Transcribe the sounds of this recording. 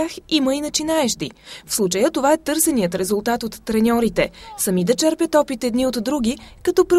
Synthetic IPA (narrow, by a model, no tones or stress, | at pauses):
aximəinɐt͡ʃinaɛʃt̪ifslˠut͡ʃəjət̪ovaɛt̪ɤɾsɛnijət̪ɾɛzulˠt̪at̪ot̪ːɾɛnʲɔɾit̪ɛsɐmid̪ɐt͡ʃɛɾpət̪ɔpit̪ɛd̪niot̪ːɾuɡ̟ʲikɐt̪ɔpɾ